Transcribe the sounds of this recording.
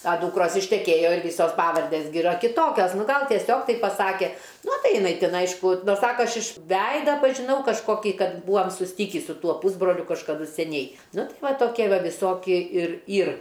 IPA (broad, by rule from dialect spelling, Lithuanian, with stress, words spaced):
ɐ ˈduːkroːs ɪʃʲtʲɛˈkʲeːjoː ɪr ˈʋʲiːsoːs ˈpɑːʋɐrʲdʲeːs ɡʲɪ ɪˈrɐ kʲɪˈtoːkʲoːs ˈnʊ ˈɡɐlˠ tʲiɛˈsʲoːk ˈtɐɪp pɐˈsɑːkʲɛ ˈnʊ ˈtɐɪ ɪˈnɐɪ ˈtʲɪn ˈɐɪʃkʊ ˈsɑːkɐ ˈɐʃ ɪʃ ˈʋʲɛɪdɐ pɐʒʲɪˈnɐʊ kɐʃkoːˈkʲiː ˈkɐt ˈbuːɐm sʊsʲˈtʲɪkʲiː sʊ ˈtuɔ puːzbroːlʲʊ kɐʃkɐˈdʊ sʲɛˈnʲɛɪ ˈnʊ ˈtɐɪ ˈʋɐ toːˈkʲiɛ ˈʋɐ ʋʲɪˈsoːkʲiɛ ɪr ˈiːr